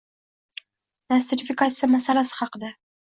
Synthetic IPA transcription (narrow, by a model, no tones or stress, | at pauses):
nast̪ɪɾifʲikat̪sijamasalasɨ̥χɑqd̪a